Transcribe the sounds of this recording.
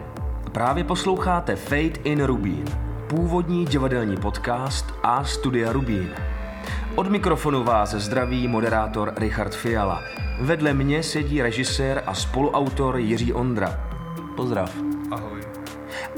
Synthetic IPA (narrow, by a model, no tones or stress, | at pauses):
pɾaːvjɛpo̞slo̞wxaːt̪ɛfɛjt̪ɪnɾubḭːnpuːvo̞dɲiːɟɪvadɛlɲiːpo̞t̪kaːst̪ʔast̪udɪaɾubiːn | ʔo̞dmɪkɾo̞fo̞nuvaːszd̪ɾaviːmo̞dɛɾaːt̪o̞ɾɾɪxaɾt̪fɪjala̰ | vɛdlɛmɲɛsɛɟiːɾɛʒɪsɛːɾʔa̰spo̞luʔawt̪o̞ɾjɪr̝iːʔo̞nd̪ɾa̰ | po̞zd̪ɾa̰fɦoj